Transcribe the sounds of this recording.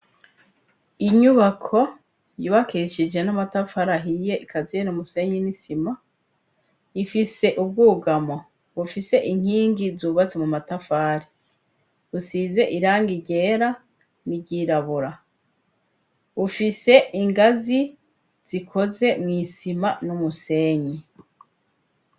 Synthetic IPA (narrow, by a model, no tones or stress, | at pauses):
iɲuβakʰo̞ | juβakeʃid͡ʒe̞namatafaɾaɦije̞ʔikʰazinumuse̞ɲinisima | ifise̞ʔub̚ɡuːɡamo | βufise̞ʔiŋ̥hiːŋɡizuːβat͡se̞mumatafaːɾi | βusize̞ʔiɾaːŋɡiɟe̞ːɾa | niɟiɾaβuɾa | βufise̞iŋɡazi | z̥ikʰo̞ze̞mŋiːsimanumuse̞ːɲi